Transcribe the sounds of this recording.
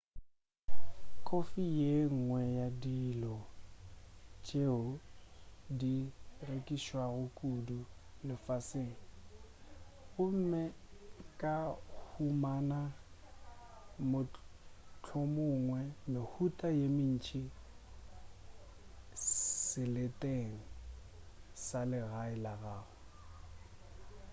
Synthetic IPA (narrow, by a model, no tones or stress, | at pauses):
kʼofijeŋ̩ŋwɛjadilɔ | t͡ʃʼeʊ | direkʼiʃwaɣʊkʼudulɪfaseːŋ̩ | ʊm̩mɛkʼahumana | mʊ | t͡ɬʰʊmʊŋwɛmɪhutʼajemin̩t͡ʃʰʼi | sɪlɪtʼeŋ̩ | salɪɣaɪlaɣaːɣʊ